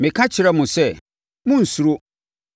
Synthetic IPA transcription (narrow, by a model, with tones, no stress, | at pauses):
mɪ̃˨kʰa˦t͡ɕʰɪ˨ɾɛ˦mʊ̃˨sɛ˦˨ | mʊ̃˦n̩˨su˨ɾo˦